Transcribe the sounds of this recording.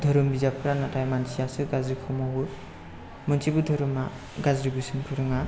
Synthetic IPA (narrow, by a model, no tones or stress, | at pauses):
dʱɔɾɯmbizapʰɯɾanatʰajmansijasɯɡazɾikʰɔmawɯ | mɯnsʰibɯdʱɔɾɯma | ɡazɾibusɯnpʰɯɾɯŋa